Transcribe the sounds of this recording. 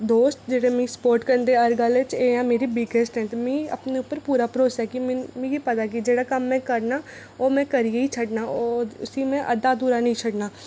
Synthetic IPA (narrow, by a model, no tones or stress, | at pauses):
d̪oːsʈd͡ʒeːɽemĩspoːɾʈkəɾnd̪eɐɾɡəlet͡ʃeːjãːmeːɾibiɡesʈɦɛ̃t̪emɛ̃ɐ̰pneʊpːəɾpuːɾapɾoːsɛkimmẽjipɐt̪ak̬id͡ʒeːɽakɐmːɛ̃kəɾna | oːmɛ̃kɐɾieit͡ʃʰəɖnaɔːʊsimẽʔɐd̪ad̪uːɾanɐɦĩt͡ʃʰəɽnaː